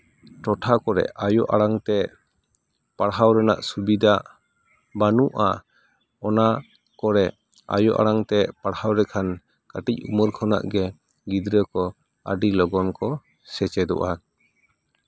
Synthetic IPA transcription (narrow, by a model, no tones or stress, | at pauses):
ʈɔʈʰakɔɾɛ̰ajɔʔaɽaŋt̪ɛ | paɽɦawɾɛnaʔsubid̪aʔ | banuʔa | ɔna | kɔɾɛ | a̰jɔʔa̰ɽaŋt̪ɛpaɽhawɾɛkʰan | kaʈic̚uməɾkʰɔna̰ʔɡɛ | ɡid̪ɾəkɔ | a̰ɖilɔɡɔnkɔ | sɛt͡ʃɛd̪ɔ̰ʔa